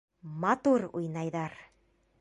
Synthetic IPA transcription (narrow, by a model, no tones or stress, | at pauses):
mat̪uɾṵjnajðaɾ